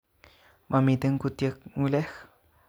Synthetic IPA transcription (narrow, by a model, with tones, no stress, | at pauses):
ma˧mi˧t̪e˦˧ŋku˧t̪je˧kŋule˦x